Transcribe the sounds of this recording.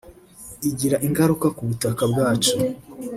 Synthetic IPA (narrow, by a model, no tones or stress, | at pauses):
iɟiɾaʔiŋɡaɾukakuβutakabɡaːt͡ʃu